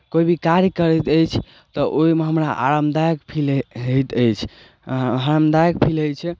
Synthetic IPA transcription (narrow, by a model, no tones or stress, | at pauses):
koibʱikaɾjəkəɾət̪əjt͡ʃʰ | t̪ɔʔoimeɦəmɾaʔa̰ɾəmd̪ajkpʰilɦəjt̪əjt͡ʃʰ | aɾəmd̪ajəkpʰiləjt͡ʃʰɛ